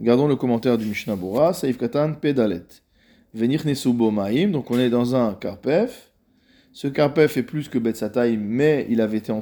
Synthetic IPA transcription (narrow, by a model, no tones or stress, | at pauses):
ɡaʁd̪ɔ̃ləkɔmɑ̃t̪ɛʁd̪ymiʃnabuʁasaifkat̪anped̪alɛ̰t̪ | vɛniχnesubomaimd̪ɔ̃kɔ̃nɛd̪ɑ̃zɛ̃kaʁpɛf | səkaʁpɛfɛplyskəbɛt̪sat̪aimːɛḭlavɛet̪eɑ̃